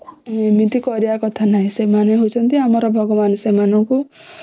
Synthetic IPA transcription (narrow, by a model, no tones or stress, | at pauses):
mit̪ikɔɾiakɔt̪ʰanaɦĩsemaneɦot͡ʃʰʌnt̪iamɔɾɔbʱɔɡɔmanesemanɔku